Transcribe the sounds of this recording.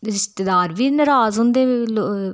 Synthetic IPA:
ɪst̪ɪd̪aːɾʋiːnəɾaːzɦõnd̪eːlo

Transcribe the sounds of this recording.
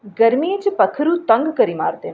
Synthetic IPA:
ɡəɾmiet͡ʃpəkʰɾut̪ə̃ŋɡkəɾima̰ːɾd̪en

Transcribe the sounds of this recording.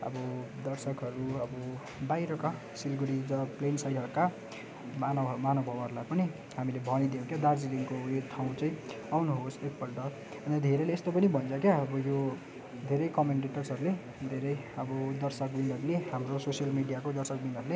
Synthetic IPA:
ʌ̰bʌd̪ʌrsʌkɦʌɾuʌbʌ | bajɾʌka | silɡuɾiɾʌplensajɖɦʌɾuka | manʱmanʌbʱʌbɦʌɾulajpʌni | ɦamilebʱʌnid̪ijokjad̪ard͡ziliŋkojot̪ʰaw̃t͡sʌĩ | awnuɦosek̚pʌlʈʌ | ʌnd̪ʱeɾʌlːst̪opʌnibʱʌnt͡sʰʌkjaʌbʌjo | d̪ʱeɾʌjkʌmeɳʈeʈʌrsɦʌɾule | d̪ʱeɾʌjʌbʌd̪ʌrsʌk̚binʌɾuleɦamɾososijʌlmiɽijakod̪ʌrsʌk̚binʌɾule

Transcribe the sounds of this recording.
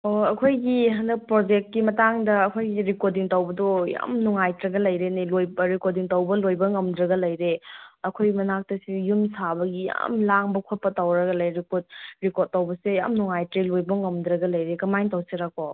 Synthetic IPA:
oɐkʰojɡiɦɐndɐk̚pɾod͡ʒek̚t̚kimɐtaŋdɐːkʰojɡiɾikodiŋtɐwbɐdɔja̰mnuŋajtɾɐɡɐlɐjɾenelojbɾikot̚diŋtɐwbɐlojbɐŋɐmdɾɐɡɐlɐjɾeɐkʰojɡmɐnak̚tɐsijumsabɐɡija̰mlaŋbɐkʰot̚pɐtɐwɾɐɡɐlɐjɾikot̚ɾikot̚tːɐwbɐseja̰mnuŋajtɾelojbɐŋɐmdɾɐɡɐlɐjɾekɐmajŋtɐwseɾakːo

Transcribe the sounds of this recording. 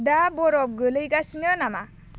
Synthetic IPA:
dabɔɾɔp̚ɡɯlɯjɡasinɔnama

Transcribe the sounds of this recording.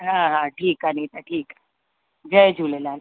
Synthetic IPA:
ɦãɦãʈʰiːkɦanit̪aʈʰiːka | ɡəjd͡ʑʱulelan

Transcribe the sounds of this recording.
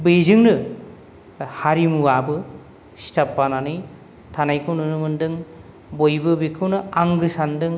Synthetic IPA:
bezɯŋnɯ | haɾimuabɯ | stapːananɯj | tʰanajkʰɯwnɯnumɯndɯŋ | bojbɯbikʰɯwnɯaŋɡɯsandɯŋ

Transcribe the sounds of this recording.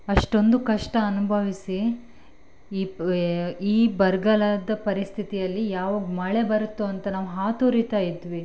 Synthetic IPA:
ɐʂʈo̞nd̪ukɐʂʈɐːnubʱɐʋisi | iːbɐɾɡɐlɐd̪ɐpɐɾist̪ʰit̪ijɐlːijaːʋaːɡmɐɭe̞bɐɾut̪ːuɐnt̪ɐnaːʋɦaːt̪oːɾit̪aːjid̪ʋi

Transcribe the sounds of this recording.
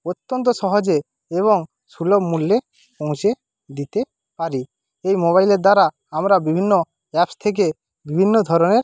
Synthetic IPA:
ot̪ːɔnt̪̬ɔsɔɦɔd͡ʒeː | βɔŋ | sulɔbmulːe | põŋ̃se | d̪it̪e | paɾi | ejmoβajleɾd̪aɾa | amɾabibʱinːɔ | ɛpst̪ʰek̬e | bibʱinːɔd̪ʱɔɾɔneɾ

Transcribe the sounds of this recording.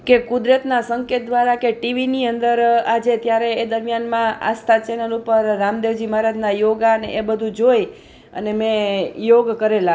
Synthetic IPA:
kekʊd̪ɾət̪nasəŋket̪̚d̪ʋaɾakeʈiʋiniənd̪əɾad͡ʒet̪jaɾeːd̪əɾmjanmãa̰st̪ʰat͡ʃɛnəlupəɾːamd̪eʋd͡ʒimaɾad͡ʒ̪najoɡaəneʔebəd̪ʱud͡ʒoj | ə̰nemẽjoɡkəɾela

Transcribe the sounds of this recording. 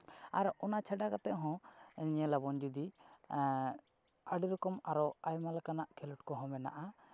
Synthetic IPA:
aɾɔnat͡ʃʰaɖakat̪ɛʔɦɔ̃ɛɲɛlabɔnd͡ʒud̪i | aɖɾɔkɔmaɾɔajmalakanaʔkʰɛluʈkɔɦɔ̃mɛna̰ʔa

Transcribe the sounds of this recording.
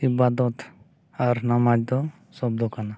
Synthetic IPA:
ibad̪ɔt̪ | aɾnamad͡ʒd̪ɔ | sɔb̚d̪ɔkana

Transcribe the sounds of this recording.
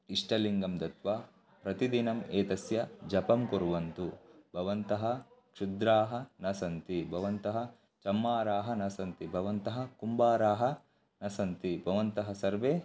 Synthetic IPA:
iʂʈʰɐliŋɡɐmd̪ɐt̪ʋa | pɾɐt̪id̪inɐmeːt̪ɐsjɐd͡ʒɐpɐmkoɾuʋɐnt̪ubʱɐʋɐnt̪ɐɦɐkʂud̪ɾaːɦɐ̆nɐsɐnt̪ibʱɐʋɐnt̪ɐɦɐ̆ | t͡ʃɐmːaːɾaːɦɐnɐsɐnt̪ibʱɐʋɐnt̪ɐɦɐ̆kumbaːɾaːɦɐ | nɐsɐnt̪ibʱɐʋɐnt̪ɐɦɐsɐɾʋeː

